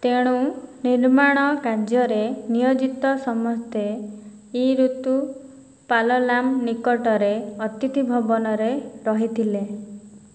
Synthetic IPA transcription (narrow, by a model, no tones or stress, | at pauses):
t̪eɽ̃uniɾmaɽ̃ɔkad͡ʒjɔɾenijɔd͡ʒit̪ɔsɔmɔst̪ʰe | iɾut̪u | palɔlamnikɔʈɔɾeɔt̪it̪ibʱɔbɔnɔɾeɾɔɦit̪ʰile